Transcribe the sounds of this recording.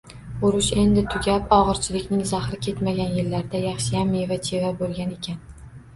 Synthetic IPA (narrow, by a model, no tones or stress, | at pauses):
ʊɾʊʃe̞nd̪ɪt̪ʰʊɡʲapɒʁɨɾt͡ʃʰɪlɪkʲnɪŋzaχɾɪkʲʰe̞t̪maɡʲanjɪlːaɾd̪ajɑχʃɪjamevat͡ʃʰe̞vabolˠɡʲane̞kʲʰan